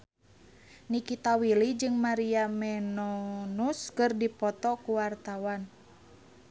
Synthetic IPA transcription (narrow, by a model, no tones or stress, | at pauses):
nikit̪awilid͡ʒɨŋmaɾiamɛnɔnuskɨrdipɔt̪ɔkuwart̪awan